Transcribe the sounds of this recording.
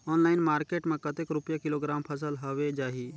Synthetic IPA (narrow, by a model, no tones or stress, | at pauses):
ɔːnlaːɪnmaːɾkeːʈmẽkət̪ekɾʊpjakɪloːɡɾaːmpʰəs̬əlɦoʋed͡ʒaːɦi